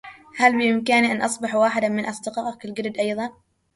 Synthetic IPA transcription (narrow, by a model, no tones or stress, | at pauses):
halbɪjɪmkaniʔanʔɑsˤbɑħwaːħɪd̪amɪnʔɑsˤd̪ɪqɑːʔkɪlɡɪɾd̪ʔɑjðˤɑn